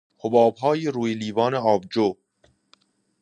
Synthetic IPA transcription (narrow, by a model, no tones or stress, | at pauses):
hobɒːbɦɒːjeɾuːjeliːvɒːneɒːb̚d͡ʒo